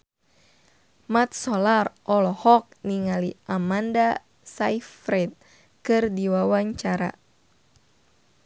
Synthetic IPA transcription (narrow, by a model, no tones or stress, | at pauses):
mat̪̚sɔlarʔɔlɔhɔk̚niŋaliʔamanda | saifɾɛt̪̚ | kɨrdiwawaɲt͡ʃaɾa̰